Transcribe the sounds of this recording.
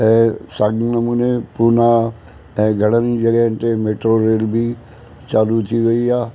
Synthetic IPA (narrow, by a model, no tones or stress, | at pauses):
ɛ̃saːɡnəmunepuɾna | ɛ̃ɡʱəɽ̃ənid͡ʒəɡəɦnt̪emeːʈɾoɾeːlbʱi | t͡ʃaːlut̪ʰiʋeiaː